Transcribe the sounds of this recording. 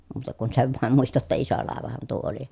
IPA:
muːtɑ kun seʋ ʋɑˑem muistɑ tːɑ iso lɑˑeʋɑhɑn tuo oli

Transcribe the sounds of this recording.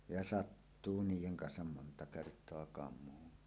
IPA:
jɑ sɑtːuː niːjeŋ kɑnsɑm montɑ kertˑoɑ kɑmˑuːnːi

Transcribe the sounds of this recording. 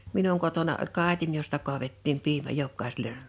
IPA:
minuŋ kotonɑ olʲ kɑˑitin jostɑ kuɑʋetːiːm piːmæ jokːɑˑisele

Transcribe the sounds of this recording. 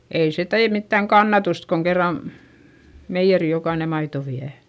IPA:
ei se teː mitːæŋ kɑnːɑtust koŋ kerːɑn meijːeri jokɑine mɑito ʋiæ

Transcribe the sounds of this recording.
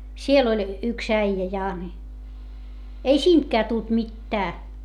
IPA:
siel olʲ yks æijæ jɑ ni ei siːntkæː tult mitːæː

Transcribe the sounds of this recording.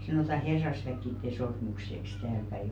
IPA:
sɑnoˑtɑ herːɑsʋækːitːe sormukseks tæːlpæi

